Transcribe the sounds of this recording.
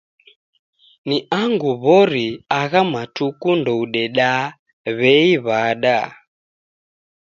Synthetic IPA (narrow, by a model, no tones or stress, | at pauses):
niaŋɡuβɔɾiaɣamatukundɔuɗɛɗa | βɛiβaɗa